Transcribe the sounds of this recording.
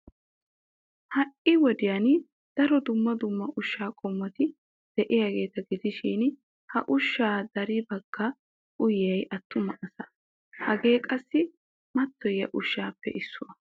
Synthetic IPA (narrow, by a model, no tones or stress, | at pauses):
hɐʔɪwɔd̪ɪjɐn | d̪̥ɐɾɔd̪ʊmːɐd̪ʊmːɐʔʊʃːaːkʼɔmːɐt̪ɪ | d̪̥ɛʔɪjaɡe̞ːt̪ɐɡɪd̪ɪʃiːn | hɐ̰ʔʊʃːaːd̪ɐɾɪbɐɡ̥ːɐ | ʔʊjɛjɐt̪ːʊmɐʔɐsɐ | hɐɡe̞ːkʼɐsːɪ | mɐt̪ʰːɔjːɐ̰ʔʊʃːaːpːɛ̰ʔɪsːʊɐ